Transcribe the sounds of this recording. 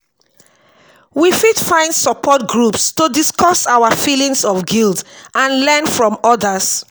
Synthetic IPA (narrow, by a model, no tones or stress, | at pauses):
wifidfãɪ̃ndsɔpʰɔt̚ɡɹupstudiskʰɔsawəfilĩŋsɔfɡildãnlɛnfɹɔ̃mɔdəs